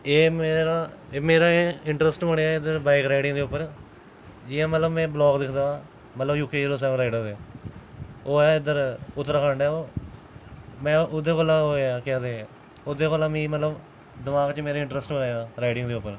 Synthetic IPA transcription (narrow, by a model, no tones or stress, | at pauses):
eːmeːɾaːeːmeːɾaːeɪɳʈɾəsʈməɽejaːɪd̪əɾbaːɪkɾaːɪɖɪ̃ŋd̪eːʊpːəɾ | d͡ʒɪːãːmət̪ləbmɛ̃ːblɔːɡd̪ɪkʰd̪ãː | mət̪ləbjuːkeːd͡ʒeːloːs̬ɛ̃ːʋɾaːɪɖaːd̪e | oːaːɪd̪əɾʊt̪ːəɾkʰaːɳɖaːoː | mɛ̃ːʊd̪eːkoːlaːoːaːkɛ̃ːd̪eːẽ | ʊd̪eːkoːlãːmĩːmət̪ləb | d̪ɪmaːɡt͡ʃəmeːɾaːɪ̃ɳʈɾəsʈməɳaːjaːɾaːɪɖɪ̃ŋɡd̪eːʊpːəɾ